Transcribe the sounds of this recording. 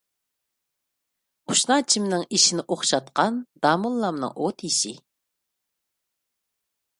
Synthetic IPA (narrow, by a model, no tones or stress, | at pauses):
uʃnɑt͡ʃʰimnɪŋiʃinɪʔoχʃɑt̪̚qɑnd̪̥ɑːmulˠːɑmnɨ̰ŋʔot̪iʃɪ